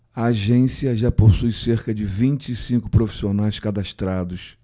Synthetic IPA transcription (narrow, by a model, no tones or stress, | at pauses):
ɐːʒẽsiɐʒaposujseɾkɐd͡ʒɪvĩt͡ʃɪːsĩŋkʊpɾofi̥sionajskad̪aʃt̪ɾad̪ʊs